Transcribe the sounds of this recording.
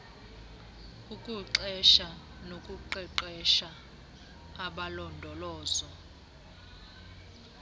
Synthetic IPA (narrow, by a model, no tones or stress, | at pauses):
ukʼuǁɛʃa | nokʼuǃɛǃɛʃaː | ɓalɔndʱɔlɔːzɔ